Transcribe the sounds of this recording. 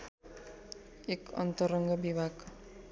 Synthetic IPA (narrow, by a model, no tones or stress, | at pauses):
ekʌ̰nt̪ʌɾʌŋɡʌbibʱaɡ